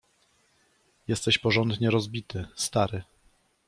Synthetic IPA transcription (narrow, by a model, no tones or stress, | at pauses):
jɛst̪ɛɕpɔʐɔnd̪ɲɛɾɔzbʲit̪ɘst̪aɾɘ